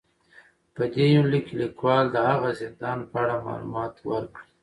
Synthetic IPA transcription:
pəd̪ejulikelikwɑld̪əhaɣazɪnd̪ɑnpəaɽamɑ̰lṵmɑt̪wəɾkɽi

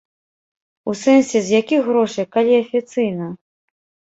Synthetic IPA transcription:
usɛnsʲɛzʲjakʲixɣɾɔʂɨjkalʲiɐfʲit̪sɨjnɐ

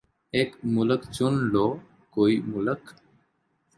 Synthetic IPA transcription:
eːkmʊləkt͡ʃʊnɖoː | koːiːmʊlək

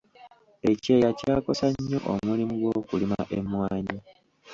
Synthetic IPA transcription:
e̞ce̞ːjacaːko̞saɲːo̞̰ʔo̰mulimuɡwo̞ːkulima̰ʔe̞mwaːɲi

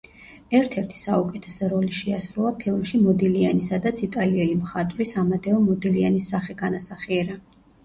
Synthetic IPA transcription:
ɛɾt̪ʰɛɾt̪ʰi̥saukʼɛt̪ʰɛsɔɾɔliʃɛasɾulˠapʰilˠmʃimɔd̪ilianisad̪at̪sʰit̪ʼaliɛlimχat̪ʼvɾisamad̪ɛɔmɔd̪ilianisːaχɛɡanasaχiɛɾa

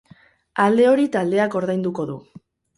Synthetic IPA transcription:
ald̪e̞o̞ɾit̪ald̪e̞ako̞ɾðajnd̪uko̞ðu

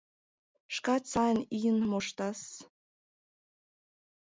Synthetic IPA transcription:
ʃkɑt͡sɑnʲiənmoʃt̪ɑs

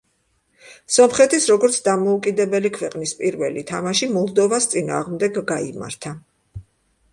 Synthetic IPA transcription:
sɔmχɛt̪ʰisɾɔɡɔɾt̪sʰd̪amɔukʼid̪ɛbɛlikʰvɛqʼnispʼiɾvɛlit̪ʰamaʃimɔlˠd̪ɔvast̪sʼina̰ːʁmd̪ɛɡːaima̰ɾt̪ʰa

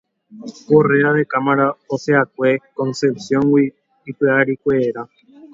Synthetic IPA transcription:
ko̞re̞ɾaðe̞kamaɾaoseak̚ʷe̞kõ̞nse̞psjõ̞ŋwiː | peaɾikʷeːɾa

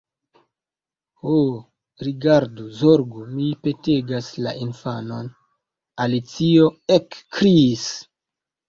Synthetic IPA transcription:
ho | ɾiɡaɾduzoɾɡumipe̞teɡaslaʔinfano̞n | alit͡sio̞ekːɾis

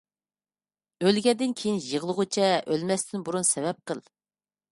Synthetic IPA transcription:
ølɡʲɛd̪ɪnkʲʰejinjəʁlˠəʁʊt͡ʃʰɛʔølmɛst̪ʰɪnbuɾunsɛvɛp̚qəlˠ

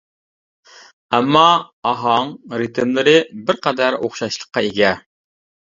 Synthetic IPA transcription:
ɛmːɑɑɦɑŋɾɨt̪ɪmlɪɾɪbɪɾqʰæd̪æɾoχʃɑʃlˠə̥qːɑeɡʲɛ

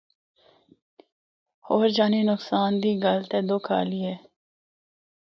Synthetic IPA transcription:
hoːɾd͡ʒaːninʊksaːnd̪iːɡalt̪eːd̪oːkʰa̰ːliɛː

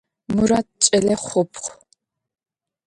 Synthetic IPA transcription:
mɨɾaːt̚t͡ʃʼɐɮɐχʷʊpʰχʷ

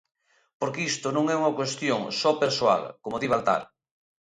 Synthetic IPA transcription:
poɾkeist̪onõŋɛuŋɐkwest̪joŋsɔpeɾswa̰lkomoðiβalt̪a̰ɾ

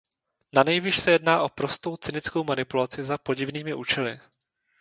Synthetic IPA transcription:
nanɛjviːʃsɛjɛdnaːʔo̞pɾo̞st̪o̞wt͡sɪnɪt͡sko̞wmanɪpulat͡sɪzapo̞ɟɪvniːmɪʔuːt͡ʃɛlɪ̰

